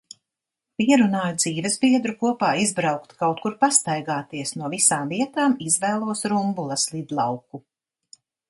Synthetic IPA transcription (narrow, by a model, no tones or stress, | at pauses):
piɛɾunaːjud̪z̥iːvɛzbiɛd̪ɾukuɔpaːizbɾawkt̪kawt̪̚kuɾpast̪ajɡaːt̪iɛsnuɔvisaːmviɛt̪aːmizvɛːlˠuɔsɾumbulˠɐslˠid̪lˠɑwku